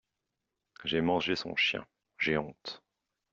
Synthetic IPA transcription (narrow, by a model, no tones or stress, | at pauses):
ʒɛmɑ̃ʒesɔ̰̃ʃjɛ̰̃ | ʒeɔ̃t̪